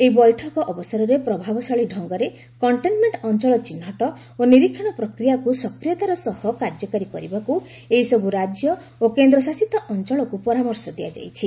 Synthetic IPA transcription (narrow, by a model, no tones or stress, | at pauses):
eɦibɔjʈʰɔkɔʔɔbɔsaɾɔɾepɾɔbʱabɔsɔɭiɖʱɔŋɡɔɾe | kɔɳʈenmeɳʈɔnt͡ʃɔɭɔt͡ʃinɦɔʈɔ | oniɾikʰːɔɽ̃ɔpɾɔkɾijakusɔkɾijɔt̪aɾɔsɔhɔkaɾd͡ʒɔkaɾikɔɾibaku | eɦisɔbuɾad͡ʒjɔ | okend̪ɾɔsasit̪ɔʔɔnt͡ʃɔɭɔkupɔɾamɔɾsɔd̪ia̰d͡ʒa̰jt͡ʃʰi